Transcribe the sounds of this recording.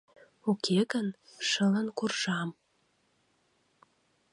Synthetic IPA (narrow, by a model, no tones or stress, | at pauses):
ukʰeɣənʃələnkurʒɑm